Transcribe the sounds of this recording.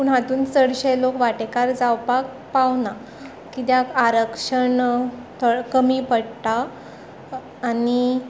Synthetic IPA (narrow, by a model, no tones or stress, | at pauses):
puɽ̃ɦat̪uːnt͡səɽɕelokʋaʈekaɾd͡zawpak̚ | pawna | kit̪jakaɾəkʂəɳt̪ʰəkəmiːpəɽt̪a | ni